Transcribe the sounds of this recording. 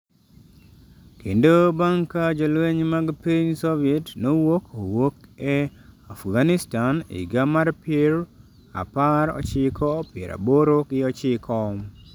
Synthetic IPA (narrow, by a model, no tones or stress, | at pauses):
kendobaŋkad͡ʒolweɲmaɡpiɲsoviɛtnowokowokɛ | afɡanɪstanḭɡamarpeɾ | a̰paɾɔ̰t͡ʃɪkʰɔpɪḛɾa̰boɾokɪɔt͡ʃɪkʰɔ